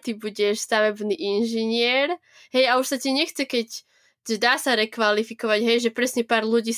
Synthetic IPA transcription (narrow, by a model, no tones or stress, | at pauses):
t̪ibuɟɛʃst̪aʋɛbniːʔinʒiɲɪɛɾ | ɦɛjauʃsaciɛɲɛxt͡sɛkɛc | ʒɛd̪aːsaɾɛkʋalifikɔʋaɟɦɛjʒɛpɾɛsɲɛpaːɾluɟiːs